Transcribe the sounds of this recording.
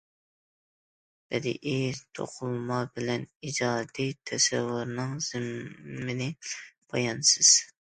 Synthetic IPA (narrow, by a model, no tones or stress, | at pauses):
b̥ɛd̪ɪ̰ʔet̪ʰo̰qʰʊlˠmɑbɪlɛnid͡ʒɑːd̪it̪ʰɛsɛwːʊɾnɨŋz̥ɪmːɪnɪbʰɑjɑnsɨz̥